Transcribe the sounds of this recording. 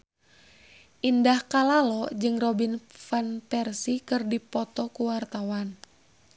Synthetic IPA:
ʔindahkalalɔd͡ʒɨŋrɔbinfanpɛrsikɨrdipɔt̪ɔkuwart̪awan

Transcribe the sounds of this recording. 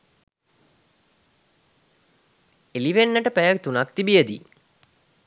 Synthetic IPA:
eliʋenːəʈəpæjəkt̪unakt̪ibijəd̪ḭ

